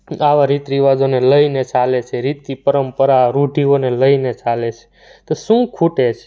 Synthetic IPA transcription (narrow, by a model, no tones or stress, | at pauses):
aʋaɾit̪ɾiʋad͡ʒoneləinet͡ʃalet͡ʃʰeɾit̪ipəɾəmpəɾaɾuɖʱioneləinet͡ʃalet͡ʃʰe̥ | t̪osũkʰuʈet͡ʃʰe̥